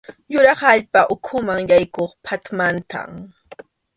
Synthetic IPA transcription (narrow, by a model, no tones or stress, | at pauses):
jʊɾɑχaʎpaʔʊkʰʊmaŋjajkoχpʰat̪mant̪a̰m